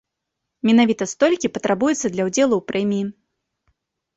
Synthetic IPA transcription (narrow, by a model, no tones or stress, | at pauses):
mʲɛnavʲit̪ɐst̪ɔlʲkʲipɐt̪ɾabujɛt̪sːɐd̪lʲɐwd͡zʲɛlˠuwpɾʔɛmʲiji